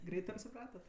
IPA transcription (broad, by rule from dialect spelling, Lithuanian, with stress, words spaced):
ˈɡrʲɛɪt ɐpʲsʲɪˈprɑːtɐt